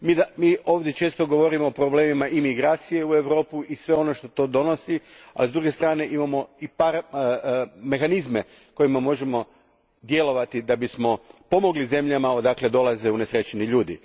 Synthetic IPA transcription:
mid̪amiːo̞ːʋd̪je̞t͡ʃe̞ːst̪o̞ɡo̞ʋo̞ɾimo̞ːpɾoble̞ːmimaʔimiɡɾaːt̪sije̞ue̞ʋɾo̞ːpuʔisʋe̞o̞no̞ʃt̪o̞t̪o̞ːd̪o̞no̞sia̰lizd̪ɾuɡe̞st̪ɾaːne̞ʔimamo̞ipaːɾ | me̞xanizme̞ | ko̞jimamo̞ʒe̞mo̞ | d̪je̞lo̞ʋat̪id̪abismo̞po̞mo̞ɡlize̞mʎamaod̪akle̞d̪o̞lˠazeune̞sɾe̞t͡ɕeniʎuːd̪ḭ

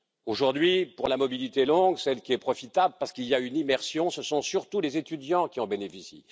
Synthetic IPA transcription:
oʒuʁd̪ɥipuʁlamɔbilit̪elɔ̃ɡsɛlkʲiɛpχɔfit̪abləpaʁsə̥kiljaynimɛʁsjɔ̃səsɔ̃syʁt̪ulezet̪yd̪jɑ̃kʲiɔ̃benefisḭ

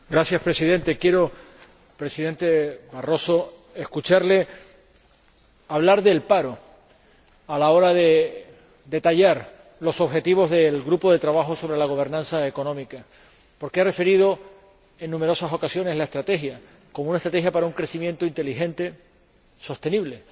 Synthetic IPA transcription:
ɡɾasjaspɾe̞siðẽ̞nt̪e̞kje̞ɾo̞ | pɾe̞siðẽ̞nt̪e̞βaro̞so̞ | e̞hkut͡ʃaɾle̞ | aβ̞laɾðe̞lpaɾo̞ | alao̞ɾaðe̞ | d̪e̞t̪aʎaɾ | lo̞so̞βxe̞t̪iβo̞zðe̞lɣɾupo̞ðe̞t̪ɾaβaxo̞so̞βɾe̞laɣ̞o̞β̞e̞ɾnãnsaeko̞nõmika | po̞ɾkeare̞fe̞ɾiðo̞ | e̞nːũme̞ɾo̞saso̞kasjo̞ne̞ɦlae̞st̪ɾat̪e̞xja | komoũnaet̪ɾat̪eɦjapaɾauŋkɾe̞simjent̪oint̪e̞lixẽ̞nt̪e̞ | so̞st̪e̞niβle̞

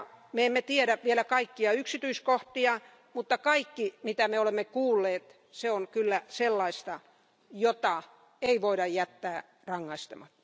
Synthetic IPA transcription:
meemːet̪ieɾæʋielækɑikːiɑyksit̪yiskoht̪iɑ | mut̪ːɑkɑikːimit̪æmeolemːekuːlːeːt̪ | seonkylːæselːɑist̪ɑ | jot̪ɑ | eiʋoiɾɑjjæt̪ːæː | rɑŋːɑist̪ɑmɑt̪ːɑ̥

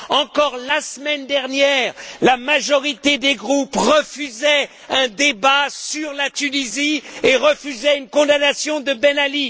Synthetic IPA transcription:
ɑ̃kɔʁlasmɛnd̪ɛʁnjɛːʁlamaʒɔʁit̪ed̪eɡʁupʁəfyzɛ | ɛ̃d̪ebasyʁlat̪ynizieʁəfyzɛynkɔ̃d̪anasjɔ̃d̪əbɛnali

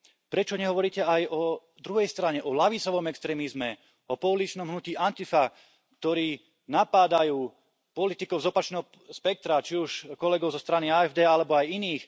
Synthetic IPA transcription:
pɾɛt͡ʃɔɲɛɦɔʋɔɾiːcɛajɔ | d̪ɾuɦɛjst̪ɾaɲɛʔɔlaʋit͡sɔʋɔmɛkst̪ɾɛːmizmɛ | ɔpɔulit͡ʃnɔmɦnuciːʔant̪ifa | kt̪ɔɾiː | napaːd̪ajuː | pɔlit̪ikɔʊzɔpat͡ʃnɛːɦɔ | spɛk̚t̪ɾat͡ʃiuʃkɔlɛɡɔʊzɔst̪ɾaniaːɛvd̪ɛːalɛbɔajiniːx

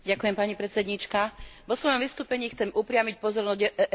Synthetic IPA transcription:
ɟakujɛmpaɲipɾɛt̪t͡sɛd̪ɲit͡ʃkaʋɔsʋɔjɔmʋist̪uːpɛɲiːxt͡sɛmupɾɪamic̚pɔzɔɾnɔɟ

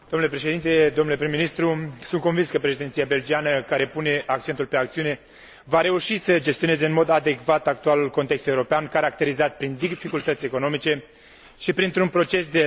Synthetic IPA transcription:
d̪omnulepɾeʃed̪int̪e̞d̪omnulepɾimːinist̪ɾusunt̪ko̞nvinskəpɾeʃid̪ent̪sijabe̞ld͡ʒianəkaɾe̞pune̞ʔak̚t͡ʃe̞nt̪ulpe̞akt̪siune̞ | vaɾe̞uʃisəd͡ʒe̞st̪io̞ne̞ze̞ɨnmo̞d̪ad̪e̞kvat̪ak̚t̪ualulko̞nt̪e̞kst̪e̞uɾo̞peankaɾakt̪e̞ɾizat̪̚pɾind̪ifikult̪ət̪sʲe̞ko̞no̞mit͡ʃe̞ | ʃipɾint̪ɾunpɾo̞t͡ʃe̞s̬d̪e

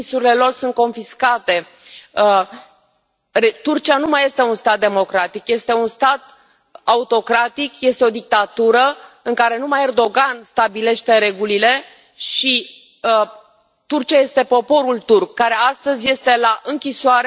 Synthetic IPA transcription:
suɾile̞lo̞rsunt̪̚ko̞nfiskat̪e̞ | rt̪urt͡ʃianumaje̞st̪e̞unst̪at̪̚d̪e̞mo̞kɾat̪ikje̞st̪e̞unst̪at̪ | aut̪o̞kɾat̪ikje̞st̪eo̞d̪ik̚t̪at̪uɾəɨŋkaɾe̞numaje̞rd̪o̞ɡanst̪abile̞ʃt̪e̞ɾe̞ɡulile̞ | ʃi | t̪urt͡ʃiaje̞st̪e̞po̞po̞ɾult̪urk̚ːaɾe̞ast̪əzʲje̞st̪e̞laʔɨŋkʲisoaɾe

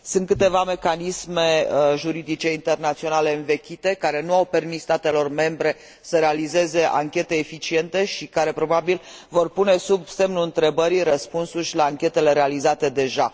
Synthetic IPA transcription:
sɨnt̪̚kɨt̪e̞vame̞kanisme̞ʒuɾid̪it͡ʃe̞int̪e̞rnat̪sio̞nale̞ɨnve̞kʲit̪e̞kaɾe̞nuawpe̞rmissːt̪at̪e̞lo̞rme̞mbɾe̞ | səɾe̞alize̞ze̞ʔa̰ŋkʲe̞t̪e̞ːfit͡ʃie̞nt̪e̞ʃikaɾe̞pɾo̞babilvo̞rpune̞subse̞mnuɨnt̪ɾe̞bəɾiɾəspunsurʲlaːŋkʲe̞t̪e̞le̞ɾe̞alizat̪e̞d̪e̞ʒa

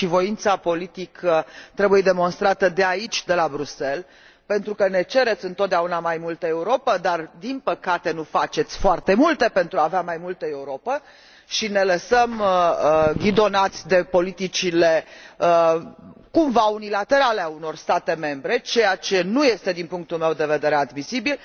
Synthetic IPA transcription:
ʃivo̞int̪sapo̞lit̪ikət̪ɾe̞buje̞d̪e̞mo̞nst̪ɾat̪əd̪e̞ait͡ʃʲd̪e̞labɾuse̞l | pe̞nt̪ɾukəne̞t͡ʃe̞ɾe̞t̪sʲɨnt̪ot̪̚d̪aunamajmult̪əe̞uɾo̞pəd̪ard̪inpəkat̪e̞nufat͡ʃe̞t̪sʲfoart̪e̞mult̪e̞pe̞nt̪ɾuaːveamajmult̪əe̞uɾo̞pə | ʃine̞ləsəməɡʲid̪o̞nat̪sʲd̪e̞po̞lit̪it͡ʃile̞ə | kumvaunilat̪e̞ɾaleauno̞rst̪at̪e̞me̞mbɾe̞t͡ʃe̞jat͡ʃe̞nuje̞st̪e̞d̪inpuŋk̚t̪ulme̞wd̪e̞ve̞d̪e̞ɾead̪misibil

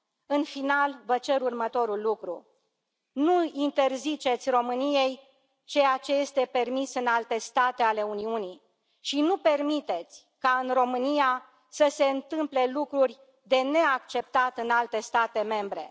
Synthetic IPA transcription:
ɨnfinalvət͡ʃe̞ɾurmət̪o̞ɾulːukɾṵ | nuint̪e̞rzit͡ʃe̞t̪sʲro̞mɨnije̞j | t͡ʃe̞jat͡ʃe̞je̞st̪e̞pe̞rmisɨnalt̪e̞st̪at̪e̞ale̞uniuni | ʃinupe̞rmit̪e̞t̪sʲ | kaɨnro̞mɨnija | səse̞ɨnt̪ɨmple̞lukɾurʲ | d̪e̞ne̞akt͡ʃe̞p̚t̪at̪ɨnalt̪e̞st̪at̪e̞me̞mbɾe̞̰

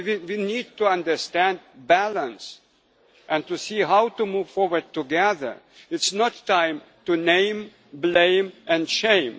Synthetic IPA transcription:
iwinid̚tuʌ̃ndə˞stæ̃nd̚bælə̃ns | ʔɛ̃ntusiɦawtumuv̥fɔɹwə˞d̚tuɡɛðə̰˞ | ɪtsnɔtʰːãɪ̃m | tunẽɪ̃m | blẽɪ̃mʔɛ̃ndʃẽɪ̃m

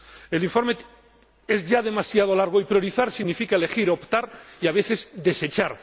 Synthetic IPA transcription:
eliɱfo̞ɾme | e̞zʝaðe̞masjað̞o̞laɾɣ̞o̞ipɾjo̞ɾiθaɾsiɣnifikaele̞xiɾo̞pt̪aɾiaβ̞e̞θe̞zd̪eset͡ʃaɾ

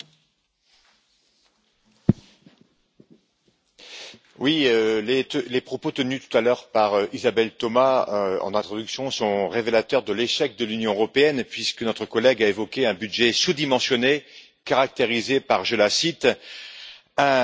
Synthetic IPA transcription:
wiølelepχɔpot̪ənyt̪u̥t̪alœʁpaʁøizabɛlt̪ɔmaøɑ̰̃nɛ̃t̪χɔd̪yksjɔ̃sɔ̃ʁevelat̪œʁd̪əleʃɛk̚d̪əlynjɔ̃øʁɔpeɛnpɥiskənɔt̪χəkɔlɛɡaevɔkʲeɛ̃byd̪ʒɛsud̪imɑ̃sjɔne | kaʁak̚t̪eʁizepaʁʒəlasit̪ | ɛ̃

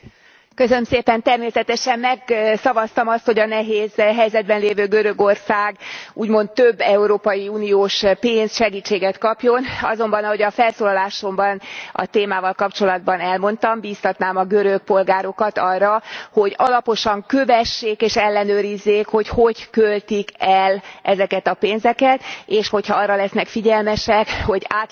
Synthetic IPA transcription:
køsønømseːpɛnt̪ɛrmeːsɛt̪ɛʃɛmmɛɡsɒvɒst̪ɒmɒst̪ho̞ɟɒnɛɦeːzɦɛjzɛd̪̚bɛnleːvøːɡøɾøɡo̞rsaːɡuːɟmo̞nt̪ːøbːɛuɾoːpɒjiuːnioːʃpeːnsʃɛɡiːt͡ʃːeːɡɛt̪kɒpjo̞nɒ̰zo̞mbɒnɒho̞ɟɒfɛlsoːlɒlaːʃo̞mbɒnɒ̰t̪eːmaːvɒlkɒpt͡ʃo̞lɒd̪̚bɒnɛlmo̞n̪t̪ɒmbiːst̪ɒt̪naːmɒɡøɾøk̚po̞lɡaːɾo̞kɒt̪ɒrːɒho̞ɟɒlɒpo̞ʃɒŋkøvɛʃːeːkeːʃɛlːɛnøːɾizːeːkho̞cho̞ɟkølt̪ikɛlʔɛzɛkɛt̪ɒpeːnzɛkɛt̪eːʃho̞chɒɒːrːɒlɛsnɛkfiɟɛlmɛʃɛkho̞ɟaː

